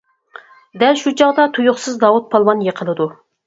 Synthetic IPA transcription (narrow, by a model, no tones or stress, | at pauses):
d̪ɛlʃut͡ʃʰɑʁd̪ɑt̪ʰujʊχsɨzd̪ɑwut̪̚pʰɑlˠmɑnjəqʰəlˠɨd̪u